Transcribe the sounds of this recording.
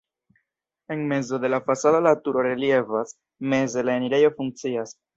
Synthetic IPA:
e̞nme̞zo̞d̪e̞lafasadolatuɾo̞ɾe̞lje̞vas | me̞ze̞laeniɾe̞jo̞fuŋk̚t͡sias

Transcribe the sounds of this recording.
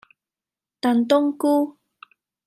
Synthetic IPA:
t̪ant̪̬oŋku

